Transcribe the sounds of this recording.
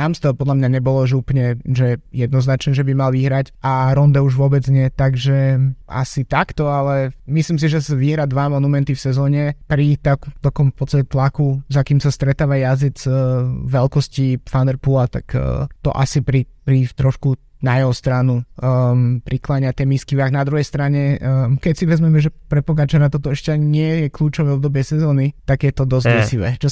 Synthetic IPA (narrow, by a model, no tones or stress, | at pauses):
amst̪ɔpɔd̪lamɲaɲɛbɔlɔʒɛupl̩ɲɛʒɛjɛd̪nɔznat͡ʃnɛʒɛbimalʋiɦɾacaɾɔnd̪ɛuʒʋɔbɛd͡zɲɪɛt̪aɡʒɛa̰sit̪akt̪ɔalɛmislims̬iʒɛzʋiɦɾad̪ʋamɔnumɛnt̪ifsɛzɔːɲɛpɾit̪akd̪ɔkɔmfpɔt͡sst̪acɛt̪lakuzakiːmsast̪ɾɛt̪aːʋajazid͡zʋɛlkɔscifand̪ɛɾpulat̪a̰kːt̪ɔ̰ʔa̰sipɾipɾit̪ɾɔʃku | najɛɦɔst̪ɾanu | pɾiklaɲat̪ɛmiskiʋaɡnad̪ɾuɦɛjst̪ɾaɲɛkɛcsiʋɛzmɛmɛʒɛpɾɛpɔɡat͡ʃɔnat̪ɔt̪ɔɛʃcɛɲɪɛjɛkʎuːt͡ʃɔʋɛɔbd̪ɔbɪɛsɛzɔːnit̪aɡjɛt̪ɔd̪ɔzɛsiʋɛ̰t͡ʃɔ